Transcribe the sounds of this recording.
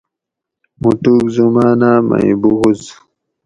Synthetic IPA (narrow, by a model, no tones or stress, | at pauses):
mutuːkzumaːnaːma̰ḭbuɣuz